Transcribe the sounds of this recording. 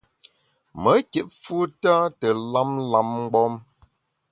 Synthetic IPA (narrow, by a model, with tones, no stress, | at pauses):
mə˨˦ke˨˦ʔfu˦ta˦tə˨la˦mla˨˦mŋ̩˦ɡ͡bɔ˦m